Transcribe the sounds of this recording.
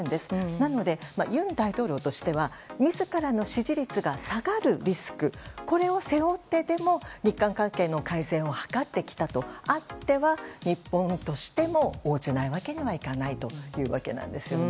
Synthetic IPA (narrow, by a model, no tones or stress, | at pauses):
nd̪e̞sɨ̥nano̞d̪e̞majɯ̟̃nd̪ait̪o̞ːɾʲo̞ːt̪o̞ɕi̥t̪e̞βamʲizɨkaɾano̞ɕiʑiɾʲit͡sɨɡasaɡaɾɯ̟ɾʲisɨ̥kɯ̟ko̞ɾe̞o̞se̞o̞t̪ːe̞d̪e̞mo̞ɲ̟ikːãŋkãŋke̞ːno̞kaizẽ̞ɰ̃o̞hḁkat̪ːe̞kʲi̥t̪at̪o̞at̪ːe̞βaɲ̟ipːõ̞nt̪o̞ɕi̥t̪e̞mo̞oːd͡ʑinaiβake̞ɲ̟iβaikanait̪o̞jɯ̟ːβa̰ke̞̰nã̰nd̪e̞sɨjo